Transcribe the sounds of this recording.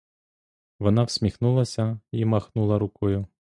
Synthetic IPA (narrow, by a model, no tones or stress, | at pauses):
ʋɔnɑwsʲmʲixnulˠɐsʲɐimɐxnulˠɐɾʊkɔjʊ